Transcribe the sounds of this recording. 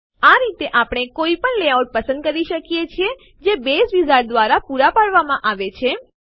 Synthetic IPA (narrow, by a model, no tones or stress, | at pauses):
aɾit̪eʔapɽ̃ekoipəɳleawʈ̚pəsə̃nd̪̚kəɾiʃəkijet͡ʃʰie | d͡ʒebesʋizaɾd̪ʋaɾapuɾapaɽʋamãʔaʋet͡ʃʰe